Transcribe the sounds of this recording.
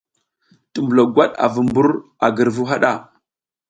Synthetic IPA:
tə˨mbə˨lo˨ɡʷa˦ɗa̰˨və˨mbu˦ɾ | a˨ɡə˨ɾvu˦ɦa˦ɗa̰˦˨

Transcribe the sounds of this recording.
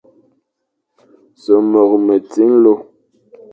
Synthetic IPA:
so˨mɔ˨k̚mə˨t͡si˦ŋ˦lo˦

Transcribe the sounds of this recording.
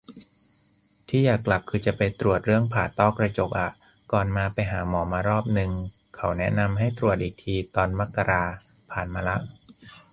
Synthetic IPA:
t̪ʰiː˥˩jaː˨˩kːla˨˩p̚kʰɯː˧t͡ɕa˨˩pa˧jt̪ɾu˨˩ət̪̚ɾɯ˥˩əŋpʰaː˨˩t̪ːɔː˥˩kɾa˧t͡ɕo˨˩k̚ʔa˨˩ʔ | kɔː˨˩nmaː˧pa˧jɦaː˩˦mɔː˩˦maː˧ɾɔː˥˩p̚nɯ˨˧ŋ | kʰa˩˦wnɛ˦˥ʔna˧mɦa˥˩jt̪ɾu˨˩ət̪̚ʔiː˨˩k̚t̪ʰiː˧t̪ɔː˧nma˦˥kːa˧ɾaː˧ | pʰaː˨˩nmaː˧la˦˥ʔ

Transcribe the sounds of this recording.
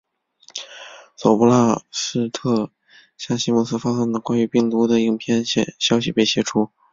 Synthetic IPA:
so˨˩ʊpu˥la˥˧ʂɻ̩˥˧t̪ʰɤ˥˧ | ɕja˥˩ŋɕi˥mu˥˧˩sɹ̩˥˧fa˥sɤ˥ŋd̪ə˨kwa˥ny˧˥pi˥˩ŋt̪u˧˥d̪ə˨i˥˩ŋpʰjɛ˥˧n˧ɕjɑ˥ʊɕi˨˩pe˥˩ɪɕjɛ˧˥ʈ͡ʂʰu˥

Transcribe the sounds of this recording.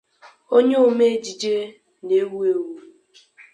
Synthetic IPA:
o˦ɲe˦o˨me˦d͡ʒi˨d͡ʒe˦ | ne˨˦wu˦e˨wu˦

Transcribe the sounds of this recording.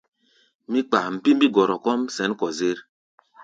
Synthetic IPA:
mi˦k͡pa˨m̩˨pi˦m˦bi˦ɡɔ˨ɾɔ˨kɔ˦msɛ˨˦n˦kɔ˨ze˦ɾ

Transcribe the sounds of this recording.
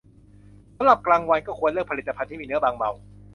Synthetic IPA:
sa˧˦mɾa˨˩p̚klaː˧ŋwa˧nkɔː˥˩kʰu˧ənlɯː˥˩k̚pʰi˨˩t̪ːa˧pʰnt̪ʰiː˥˩miː˧nɯ˦˥ɐbaː˧ŋba̰˧w

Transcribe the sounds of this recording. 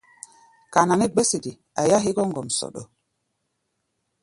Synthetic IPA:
ka˨na˨ne˦ɡ͡be˦si˨di˨ | a̰˨ja˦ɦi˦ɡɔ˦ŋɡɔ˨msɔ̰˨ɗo̰˨

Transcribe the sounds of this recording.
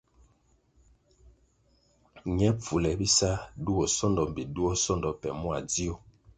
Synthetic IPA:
ɲɛ˦p͡fu˨lɛ˨bi˦sa˦du˦ɔ˨sɔ˦ndɔ˨m˨bi˨du˦ɔ˦sɔ˦ndɔ˨pɛ̰˨mwa˨d͡zi˦o˦

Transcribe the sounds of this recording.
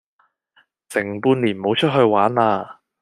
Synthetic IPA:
sɪ˨˩ŋpuː˧nliː˨˩nmo˨˧wt͡ʃʰɵ˥t̚ɦɵ˧ɥwaː˨˥naː˧

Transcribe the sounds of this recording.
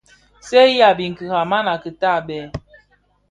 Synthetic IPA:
sɛ˦a˨bi˨ŋ̩˨kɨ˨ha˨ma˦na˨kə˨ta˦˨ɓɛ˨

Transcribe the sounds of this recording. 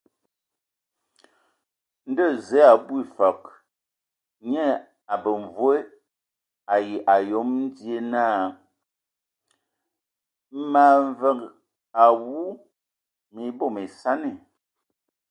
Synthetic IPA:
n̩˦də˦˨zɛ˨˦a˨bwi˦˨fa˨k̚ | ɲɛ˦ | a˨bə˨ɱ˨vwe˦ | a˨ji˨ʔa˨jo˨˦mn̩˦dje˦naː˦˨˦ | ma˨ɱvə˨k | a˨wu˦ | mi˨˦bo˦˨me˨sa˦ne˨

